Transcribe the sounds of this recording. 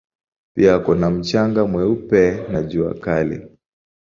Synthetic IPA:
piakɔnam̩t͡ʃaŋɡamwɛupɛnad͡ʒua̰kalḭ

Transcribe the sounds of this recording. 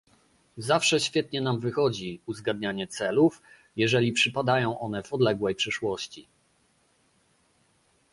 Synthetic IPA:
zafʂɛɕfʲjɛt̪̚ɲɛnamvɘxɔd͡ʑiuzɡad̪ɲaɲɛt̪sɛluf | jɛʐɛlʲipʂɘpad̪ajɔ̃w̃ʔɔnɛvɔd̪lɛɡwɛjpʂɘʂwɔɕt͡ɕi

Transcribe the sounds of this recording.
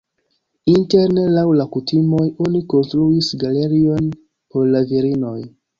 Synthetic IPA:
inte̞ɾne̞lawlakutimo̞jo̞niko̞nstɾuisɡale̞ɾio̞n | po̞ɾlaviɾino̞j

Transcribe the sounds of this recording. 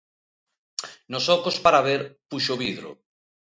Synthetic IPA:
nosɔkospaɾaβeɾpuʃoβiðɾo̰

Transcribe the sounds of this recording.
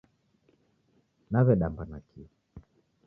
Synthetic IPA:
naβɛɗambanakʰiɔ

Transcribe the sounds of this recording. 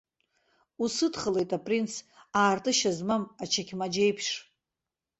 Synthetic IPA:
usɨdχəle̞jtʼapʼrinsaːrtʼɨʃazmamat͡ʃʰakʲʰmad͡ʒejpʰʂ

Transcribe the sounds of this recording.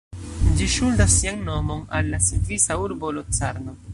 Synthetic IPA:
d͡ʒiʃuldasːiaŋno̞mo̞nalːasitvisauɾbolot͡saɾno

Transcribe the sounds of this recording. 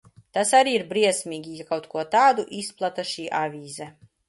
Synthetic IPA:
t̪asaɾiːiɾbɾiɛsʲmʲiːɡʲijakawt̪kuɔt̪aːd̪uʔisplˠat̪aʃiːʔavʲiːzɛ

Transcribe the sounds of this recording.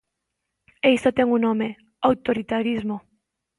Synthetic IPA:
ejst̪at̪eŋunome | awt̪oɾit̪aɾizmo

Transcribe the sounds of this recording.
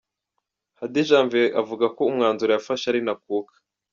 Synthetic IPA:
hadiʒaːɱveʔavuɡako̞umŋaːnzuɾejafaʃaɾinak̚uːkḁ

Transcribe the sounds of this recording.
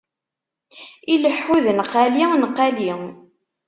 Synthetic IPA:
iləħːuðnəqːælinəqːali

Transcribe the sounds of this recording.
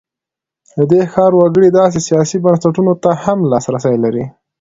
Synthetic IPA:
d̪əd̪exɑɾwaɡəɽid̪ɑs̬esijɑsibansaʈunot̪ahamlɑsɾasajlaɾi

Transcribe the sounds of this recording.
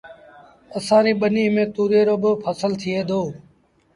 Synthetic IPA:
əsãːɾiːɓəniːmẽːt̪uːɾeːɾoːbɪpʰəsəlt̪ʰɪeːd̪ʱoː

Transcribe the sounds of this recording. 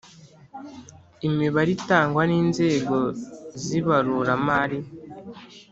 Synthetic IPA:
imiβaɾitaːŋɡwaniːnze̞ːɡo̞ziβaɾuɾamaɾi

